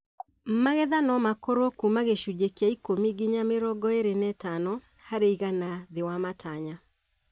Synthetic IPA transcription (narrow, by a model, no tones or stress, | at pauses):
maɣɛðanɔmakoɾokumaɣeʃud͡ʒekeaikomiɡiɲameɾɔɡɔeɾenɛtanɔ | haɾeiɣanaðewamataɲa